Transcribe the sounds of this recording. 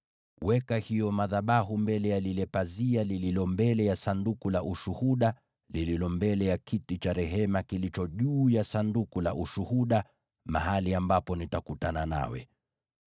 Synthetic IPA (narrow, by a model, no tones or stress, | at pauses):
wɛkahijɔmaðaɓaɦumbɛlɛjalilɛpazialililɔmbɛlɛjasandukulaʔuʃuhuɗa | lililɔmbɛlɛjakʰitit͡ʃaɾɛɦɛmakilit͡ʃɔʄuːjasandukulaʔuʃuhuɗa | ma̰haliambapɔnitakutanana̰wɛ̰